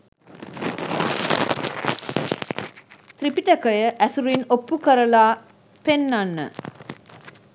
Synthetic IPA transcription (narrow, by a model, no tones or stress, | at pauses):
t̪ripiʈəkəjəʔæsuɾinopːukəɾəlaː | penːanːə̰